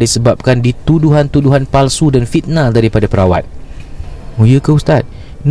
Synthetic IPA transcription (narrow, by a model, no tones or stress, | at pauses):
disəbap̚kandit̪uduɦant̪uduɦanpalsudanfit̪̚nãldaɾipadapəɾawa̰t̪̚ | mujəkəust̪at̪̚ | n